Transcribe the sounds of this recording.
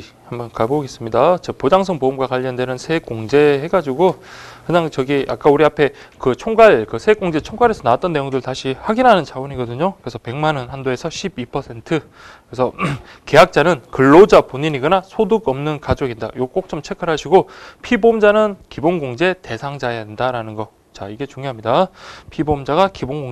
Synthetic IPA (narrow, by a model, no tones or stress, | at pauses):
hambʌnkaboɡe̞s͈ɯmɲidat͡ɕʌpod͡ʑaŋsʰʌŋpoɯmɡwakaʎːʌndwe̞nɯnsʰek͈oŋd͡ʑe̞heɡad͡ʑiɡokɯɲaŋt͡ɕʌɡiʔa̰k͈auɾiapʰe̞ | kɯt͡ɕʰoŋɡaɭkɯsʰek͈oŋd͡ʑe̞t͡ɕʰoŋɡaɾesʰʌnaat͈ʌnːe̞joŋdɯɭtaɕʰihaɡinɦanɯnt͡ɕawʌɲiɡʌdɯɲokɯɾesʰʌpe̞ŋmanʌnhandoe̞sʰʌɕʰibipʰʌsʰe̞ntʰɯ | kkɯesʰʌke̞ɦak̚t͡ɕ͈anɯnkɯɭːod͡ʑapoɲiɲiɡɯnasʰoduɡʌmnɯnkad͡ʑoɡinda̰iɡok͈ok̚t͡ɕ͈ʌmt͡ɕʰe̞kʰɯɾɦaɕʰiɡopʰibomd͡ʑanɯnkibonɡoŋd͡ʑe̞te̞sʰaŋd͡ʑajadendaɾanɯnɡʌ | t͡ɕaiɡe̞t͡ɕuŋjoɦamɲidapʰibomd͡ʑaɡakibonɡoŋ